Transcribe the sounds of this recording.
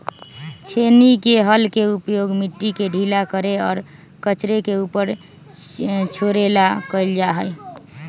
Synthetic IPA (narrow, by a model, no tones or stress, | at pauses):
t͡ʃʰenikeɦəlkeupjoɡmiʈːikeɖʱilakəɾeɔːɾ | kət͡ʃɾekeupəɾ | t͡ʃʰoɾelakəɪld͡ʒaɦəj